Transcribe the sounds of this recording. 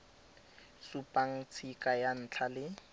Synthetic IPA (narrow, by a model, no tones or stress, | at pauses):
supʼaŋ̩t͡sʰikʼajan̩ːt͡ɬʰalɪ